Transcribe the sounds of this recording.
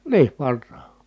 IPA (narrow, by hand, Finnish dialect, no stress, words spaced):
niːʋ ʋɑrːɑˑ